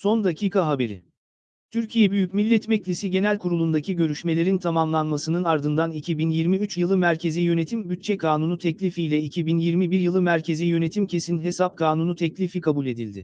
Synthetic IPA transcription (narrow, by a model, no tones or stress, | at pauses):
so̞nd̪acʰiːkʰaɦabe̞ɾɪ̰ | t̪ʰyɾcʰijɛbyjycmilʲːɛt̪mɛclʲisiɟe̞nælʲkʰuɾulˠund̪acʰiɟø̞ɾyʃme̞lʲe̞ɾint̪ʰamamlˠanmasɯnɯnaɾd̪ɯnd̪anicʰibinjiɾmiyt͡ʃjɯlˠɯmæɾcʰe̞zijø̞ne̞t̪ʰimbyt̪̚t͡ʃʰɛkʰaːnunut̪ʰɛclʲifijlʲɛicʰibinjiɾmibiɾjɯlˠɯmæɾcʰe̞zijø̞ne̞t̪ʰimcʰe̞sinɦe̞sap̚kʰaːnunut̪ʰɛclʲifikʰabulʲe̞d̪ilʲd̪ɪ